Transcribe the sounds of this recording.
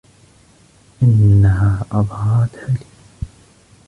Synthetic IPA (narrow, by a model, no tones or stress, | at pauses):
ʔɪnːaɦaːʔɑðˤhɑɾˤɑt̪ʕaliː